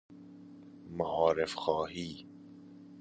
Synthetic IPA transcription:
maʔɑːɾefxɔːhiː

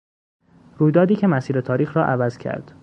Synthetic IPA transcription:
ɾuːjd̪ɒːd̪iːkcʰe̞mæsiːɾet̪ʰɒːɾiːxɾɒːʔævæz̥cʰæ̰ɾd̪̥

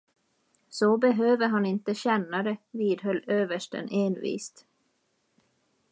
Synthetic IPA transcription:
sɔbɛɦøːvəɾɦanɪnt̪əɕɛnːad̪ɛviːd̪ɦœlːøːvəʂʈə̰nʔeːnvḭːst̪

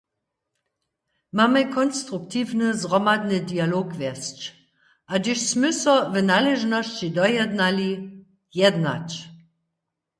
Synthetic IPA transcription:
mamɛkʰɔnstʁuk̚tʰiːvnəzʁɔmadnədialoːkvɛst͡ʃ | ʔadɪʃsmʏsɔvənaleʒnɔʃt͡ʃidɔjɛdnali | jɛdna̰t͡ʃ

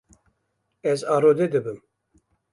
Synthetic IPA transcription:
ɛzɑːɾod̪ed̪ɨbɨm

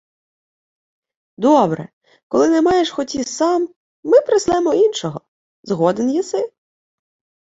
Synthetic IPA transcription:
d̪ɔbɾɛ̰ | kɔlˠɪnɛmɑjeʂxɔtʲisɑmː | ɪpɾɪslˠɛmɔinʃɔɦɔ | zɦɔd̪enjisɪ

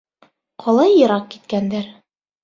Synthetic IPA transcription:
qʰɒlˠɑjːɤ̆ɾɑq̚kit̪̚kænd̪æɾ

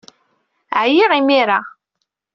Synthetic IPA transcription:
ʕjiʁimiɾa

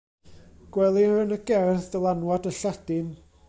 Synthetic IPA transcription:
ɡ̥wɛlˠirɨnəɡɛrθdəlˠanwadəɬɛd̥ɪn

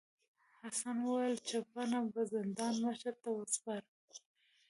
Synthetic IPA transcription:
hasanwəwjəlt͡ʃapanabazɪnd̪ɑnmaʃaɾt̪awəspaɾ

